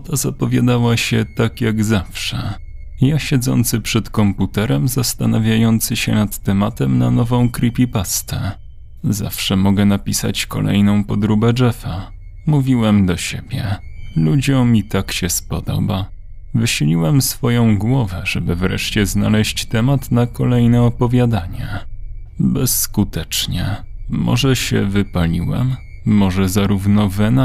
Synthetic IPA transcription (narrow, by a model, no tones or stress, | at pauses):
ɔt̪azapɔvʲjad̪awaɕɛt̪akjaɡzafʂɛ | jaɕɛd̪zɔ̰nt̪sɘpʂɛt̪kɔmput̪ɛɾɛmzast̪anavʲjajɔnt̪sɘɕɛnat̪ːɛmat̪ɛmnanɔvɔ̃w̃kɾipʲipast̪ɛ | za̰fʂɛmɔɡɛnapʲisa̰t͡ɕkɔ̰lɛ̰jnɔ̃w̃pɔd̪ɾubɛd͡ʐɛfa | muvʲiwɛmd̪ɔɕebʲjɛlud͡ʑɔ̃w̃mʲit̪akɕɛspɔd̪ɔ̰ba | vɘɕɘlʲiwɛmsfɔjɔ̃w̃ɡwɔvɛʐɛbɘvɾɛ̰ʂt͡ɕɛzna̰lɛɕt͡ɕt̪ɛmat̪nakɔlɛjnɛɔpɔvʲjad̪aɲɛ | bɛskut̪ɛt͡ʂɲɛ | mʔɔ̰ʐɛɕɛ̰vɘpalʲḭwɛ̰mː | ɔʐɛzaɾuvnɔvɛna